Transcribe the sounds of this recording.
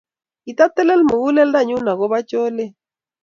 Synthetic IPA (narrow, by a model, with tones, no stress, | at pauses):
i˨t̪a˦tɛ˦lɛ˦lmo˨ɣu˦lɛ˦lda˦˨ɲu˦na˨ɣɔ˦βa˦t͡ʃo˦le˦